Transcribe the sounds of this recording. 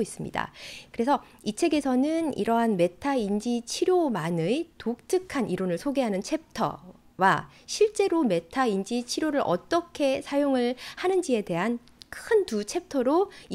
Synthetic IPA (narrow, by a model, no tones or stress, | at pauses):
is͈ɯmɲḭda̰kɯɾe̞sʰʌ | it͡ɕʰe̞ɡe̞sʰʌnɯnḭɾʌɦanme̞tʰaind͡ʑit͡ɕʰiɾjomanɯitok̚t͈ʰɯkʰaniɾonɯɭsʰoɡe̞ɦanɯnt͡ɕʰe̞p̚tʰʌ̰ | wa | ɕʰiɭt͡ɕ͈e̞ɾome̞tʰaind͡ʑit͡ɕʰiɾjoɾɯɾʔʌt͈ʌkʰe̞sʰajoŋɯɭhanɯnd͡ʑie̞de̞ɦan | kʰɯntut͡ɕʰe̞p̚tʰʌɾo